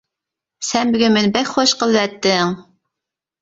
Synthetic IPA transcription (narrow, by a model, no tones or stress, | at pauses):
sɛnbɪɡʲɛmɪnbɛkʲχoʃqəlˠwɛt̪ːɪŋ